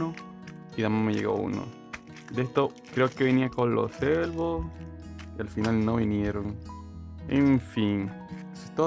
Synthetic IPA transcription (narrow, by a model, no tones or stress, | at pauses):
o | iðamameʝḛɣo̰ṵno̰ | d̪est̪o | kɾe̞oke̞βiniakonlo̰selβos | ialfinalnoβinje̞ɾon | eɱfin | t̪o